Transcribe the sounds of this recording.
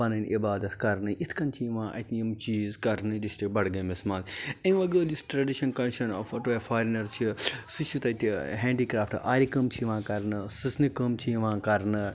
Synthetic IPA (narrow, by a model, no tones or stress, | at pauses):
ɐnɐnibaːd̪ɐt̪ʰkɐɾnɨʔit̪ʰkɐnt͡ʃʰiʋãːʔɐ̰t̪ʰnjɐmt͡ʃiːzkɐɾnɨd̪ist̪ibɐɽɡɐmesmãːlɐ̃ʋɐɡəːlisʈɾɐɖiʃɐnkɐnʃɐnɐ̰fɐʈuɐfaːɾnɐɾt͡ʃʰisut͡ʃʰut̪ɐt̪iɦeːɳɖiːkɾaːfʈʔaːɾikɐmt͡ʃʰiʋãːkɐɾnɨsɨsnɨkɐmt͡ʃʰiʋãːkɐɾnɨ